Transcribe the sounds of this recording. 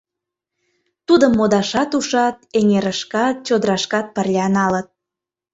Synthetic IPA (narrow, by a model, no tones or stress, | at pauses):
t̪ud̪əmːod̪ɑʃɑt̪uʃɑt̪eŋeɾəʃkɑt̪̚t͡ɕod̪əɾɑʃkɑt̪̚pərlʲɑnɑlət̪̚